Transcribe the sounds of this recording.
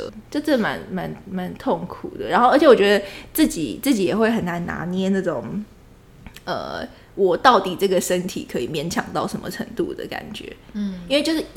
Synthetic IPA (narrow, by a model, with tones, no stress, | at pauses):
ʈ͡ʂʈ͡ʂə˥˩ma̰˧˦nma˧˦nma˧˦nt̪ʰo˥˩ŋkʰṵ˨˩d̪ə̰˦ɻa˧˥nxo˥˩ə˧˥t͡ɕʰɛ˧wt͡ɕɥɛ˧˥d̪ə˧t͡sɹ̩˥˩t͡ɕḭ˨˩t͡sɹ̩˥˩t͡ɕi˨˥jɛ˨˩xwe˥˩ɪxə˨˩nna˧˦nna̰˧˥njɛ˥nna˥˩ʈ͡ʂo˨˩ŋ | ə̰˨˩ | wɔ˨˩t̪ɑ˥˩ʊt̪i˨˩ʈ͡ʂɤ˥˩ɡə˩ʂə˦˥nt̪ʰḭ˨˩kʰɤ˧˦i˨˩mjɛ˧˥nt͡ɕʰjɑ̰˨˩ŋt̪ɑ˥˩ʊʂə˧˥nmə̰˧ʈ͡ʂʰə̰˧˥ŋt̪ṵ˥˩d̪ə̰˨˩ka̰˨˩nt͡ɕɥɛ̰˧˦i˥nwe˥˧t͡ɕjo˥˧ʂɻ̩˥˩